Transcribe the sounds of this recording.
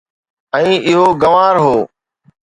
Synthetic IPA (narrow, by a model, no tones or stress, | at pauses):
ə̃ĩːʔɪɦoːɡəʋaːɾɦoː